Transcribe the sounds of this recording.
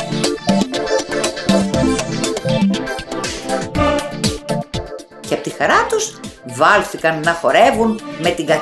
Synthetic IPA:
ceɐpo̞t̪ixɐɾɐt̪uzvɐlθikɐnːɐxo̞ɾe̞vunme̞t̪iŋɡɐ

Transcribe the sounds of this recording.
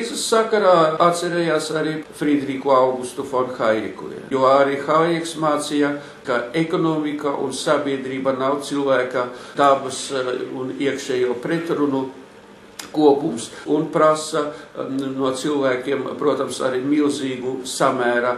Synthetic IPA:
isəsːakaɾaːat̪t̪sʲɛɾeːjaːsaɾifɾid̪ɾikuawɡust̪ufɔnxajɾḭkṵḭjuɔaɾixajiɛksmaːt̪sija | kaekɔnomikaʔṵnsabʲiɛd̪ɾiːbanawt̪silˠvæːkad̪abɐsuniɛkʃeːjuɔpɾet̪ɾunu | kuɔpumsunpɾasa | nuɔt̪silˠvæːkʲiɛmpɾuɔt̪amsa̰ɾimilˠziːɡusamæːɾa

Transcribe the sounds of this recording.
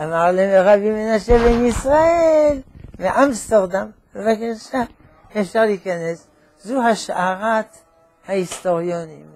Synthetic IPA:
amaʁleʁabimenaʃebemisʁaʔelveʔamst̪eʁd̪ambevakaʃa | efʃaʁliikanes | zuɦaʃʔaʁat̪ | haist̪o̞ʁjonim

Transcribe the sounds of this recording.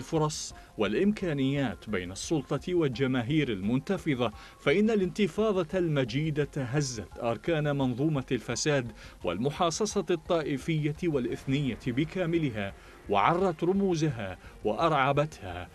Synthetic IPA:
lfʊɾˤɑsˤ | walʔɪmkaːnɪjːaːt̪bajnɑsˤːʊlt̪ˤɑwald͡ʒamaːɦiːɾalmʊnt̪ɑfɨðˤɑ | faʔɪnːalɪnt̪ɪfɑːðˤɑlmad͡ʒiːd̪at̪aɦazːat̪ʔɑɾˤkaːnmɑnðˤuːmalfasaːd̪wa̰lmʊħɑːsˤɑsˤɑt̪ˤːɑːʔɪfɪjːawalʔɪθnɪjːabɪkaːmɪlɪɦaː | wa̰ʕɑrˤːɑt̪ɾʊmuːzaɦawaʔɑɾˤʕɑbat̪ha̰ː

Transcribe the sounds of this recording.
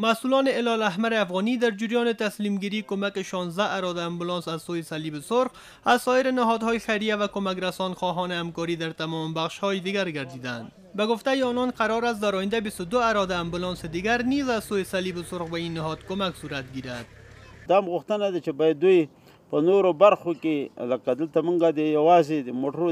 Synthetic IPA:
masulɔnɪɪlɒlaɦmaɾeafɣɔnid̪aɾd͡ʒɪɾjɔnɪt̪aslimɡiɾiːkomakeʃɔnzd̪aʔaɾɔd̪aːmbulɔnsazsojesalibɪsʊɾq | azsɔjɪɾɪnɪɦɔd̪hɔjexaɾijavakomak̬ɾasɔnxɔɦɔnɪamkɔɾid̪aɾt̪amɔmbaχʃhɔjed̪iɡaɾɡaɾd̪iːd̪and̪ | baɡʊft̪ajeɔnɔnqaɾɔɾas̬t̪d̪aɾɔjɪnd̪abist̪ʊd̪ʊaɾɔd̪aːmbʊlɔnsed̪iɡaɾnizazsojesalibɪsoɾqbainːɪɦɔd̪komaksuɾat̪̚ɡiɾad̪̥̚d̪ɑmɣʊxt̪ənad̪at͡ʃebɑjad̪̚ːuj | pənoɾobaɾxokeləkad̪əlt̪amuŋɡad̪əjawɑzed̪əmoʈɾo

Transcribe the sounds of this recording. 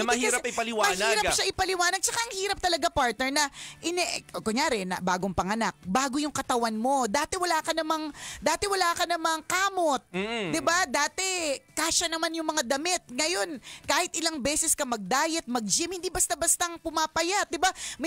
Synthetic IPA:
mɐhiɐɾɐpɪpɐlɪwamɐniːɾɐpʃaʔɪpɐlɪwaːnɐɡ̚t͡ʃɐkaʔɐŋhiːɾɐp̚t̪ɐlɐɡapaɹt̪̚nɛɹnɐʔɪnɛʔokoɲɲjaːɾɛnɐ̰baːɡoŋpɐŋɐnak̚baːɡojʊŋkɐt̪ɐwanmo̞d̪aːt̪ɛwɐlaːkɐnɐmaŋd̪aːt̪ɛwɐlaːkɐnɐmɐŋkaːmo̞t̪̩̚ːd̪ɪbad̪aːt̪ɛkaːʃɐnɐmanjʊŋmɐŋad̪ɐmɪt̪̚ŋɐjo̞nkaːhɪt̪̚ʔɪlaŋbɛːsɛskɐmɐɡ̚d̪aːjɛt̪̚mɐɡ̚d͡ʒɪmhɪnd̪ibɐst̪abɐst̪ɐŋpʊmaːpɐjat̪̚d̪ɪbamɐ

